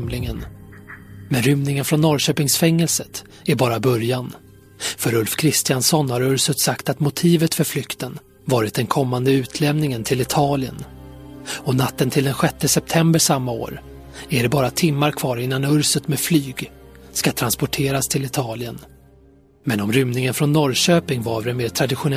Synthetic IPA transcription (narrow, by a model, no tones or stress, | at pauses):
mlɪŋən | mɛnɾʏmnɪŋənfɾɔnːɔɾɕøːpɪŋsfɛŋːɛlsət̪ | æɾbɑːɾabœɾjan | fœɾɵlfkʰɾɪst̪ɪjansɔnːhaɾɵɾsət̪sakt̪at̪mʊt̪ʰiːvət̪fœɾflʏkt̪ən | vɑːɾɪt̪̚d̪ɛnkʰɔmːand̪əʉ̟ːt̪ʰlɛmnɪŋənt̪ʰɪlɪt̪ʰɑːlɪə̰n | ɔnat̪ːənt̪ʰɪld̪ɛnɧɛt̪ːəsɛp̚t̪ʰɛmbəʂamːao̰ːɾ | æɖɛbɑːɾat̪ʰɪmːaɾkʰv̥ɑːɾɪnːanɵɾsət̪meflyːɡskat̪ʰɾanspɔʈʰeːɾast̪ʰɪlɪt̪ʰɑːlɪən | mɛnɔmɾʏmnɪŋənfɾɔnːɔɾɕøːpɪŋvavɾɛnmeːʈʰɾad̪ɪɧʊn